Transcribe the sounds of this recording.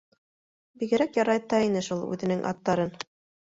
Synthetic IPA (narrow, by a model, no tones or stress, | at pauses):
biɡɘ̆ɾækjɑɾɑjt̪ːɑinɘʃulˠʉ̰ðɘ̆nɘŋʔɑ̰t̪ːɑɾɤn